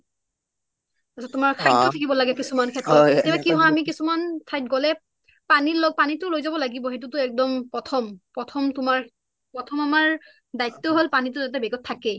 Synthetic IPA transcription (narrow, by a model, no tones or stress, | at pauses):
asɔtʊmaɹkʰajɔtʰakibɔlaɡɛkisumankʰɛtɹɔbakiɦɔ̃amik̬isumantʰajt̚ɡɔlɛ | paniɹlɔɡ̚panitʊlojzabɔlaɡibɔɦet̬ʊtʊɛk̚dɔmpɹɔtʰɔmpɹɔtʰɔmtʊmaɹ | pɹɔtʰɔmamaɹ | dajtːɔɦolpanitʊzat̬ɛbɛɡɔtʰːakɛ